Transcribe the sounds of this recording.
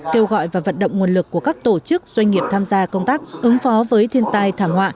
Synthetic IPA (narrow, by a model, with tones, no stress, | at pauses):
ke˧wɣɔ̰˧˨jvaː˨˩və̰˧˨nɗə̰˧˨wŋ͡mŋu˨˩ənlɨ˨˩kːu˧˩əkaː˦˥k̚t̪o˧˩t͡ɕɨ˦˥k̚z̥wa˧jŋ̟ŋi˨˩əp̚t̪ʰaː˧mzaː˧kə˧wŋ͡mt̪aː˦˥k̚ʔɨ˨˦ŋfɔ˨˦vəː˨˦jt̪ʰi˧ənt̪aː˧jt̪ʰaː˧˩mhwa̰ː˧˨